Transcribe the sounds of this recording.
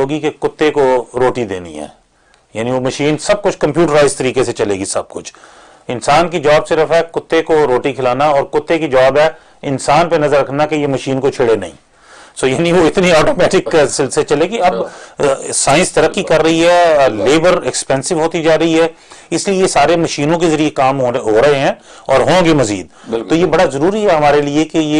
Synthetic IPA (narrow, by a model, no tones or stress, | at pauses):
oːɡikekʊt̪ːekoɾoːʈid̪ḛːnḭɦɛ̰ː | jaːniʋomɐʃiːnsɐb̚kʊt͡ʃʰkɐ̃mpjuːʈəɾːaːɪzt̪ɐɾiːkeset͡ʃɐlḛːɡisɐb̚kʊt͡ʃʰ | ɪ̃nsaːnkid͡ʒɔːbsɪɾəfɦɛkʊt̪ːekoɾoːʈikʰɪlaːnaɔːɾkʊt̪ːekid͡ʒaːbɦɛː | ɪnsaːnpenɐzəɾːɐkʰnakejemɐʃiːnkot͡ʃʰɪɽenɐɦḭ̃ː | soːjaːniʋoɪt̪niɔːʈoːmɛːʈɪksɪlset͡ʃɐlekiɐb | saːɪ̃nst̪ɐɾəkːikɐɾːɐɦiɦɛleːbəɾɛkspɛ̃ːnsɪʋɦoːt̪id͡ʒaːɾɐɦiɦɛː | ɪsliesaːɾemɐʃiːnõk̬ezɐɾiekaːmɦɦoːɾɐɦeɦɛ̃ː | ɔːɾɦõːɡemɐzḭːd̪̚ɪt̪oːjebɐɽazɐɾuːɾiɦɛɦɐmaːɾeliekeje